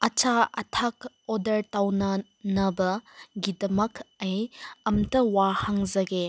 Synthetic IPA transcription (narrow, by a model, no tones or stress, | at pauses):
ɐt͡ʃaɐtʰak | odɐɾtawnɐ | nɐbɐɡidɐmɐkʰɐjɐmtɐwahaŋzɐɡe